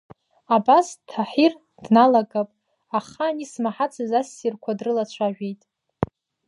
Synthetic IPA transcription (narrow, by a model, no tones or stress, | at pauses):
abastʰaħir | d̥nalaɡʼapʼ | aχaːnismaħat͡sʰazasːirkʷʰadrɨlat͡ɕʷʰaʒᶣejtʼ